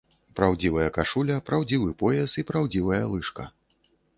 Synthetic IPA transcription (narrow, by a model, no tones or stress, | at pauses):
pɾawd͡zʲivɐjɐkaʂulʲɐpɾawd͡zʲivɨpɔjɛsipɾawd͡zʲivɐjɐlˠɨʂkɐ